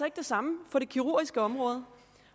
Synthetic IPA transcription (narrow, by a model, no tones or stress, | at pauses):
ɐe̝ɡ̥̚d̥e̝sɑ̈məfɒ̽ɾe̝kʰiʁu̝ɐ̰ɡ̥isɡ̥əɒ̽mʁɔ̽ːð̞ˠə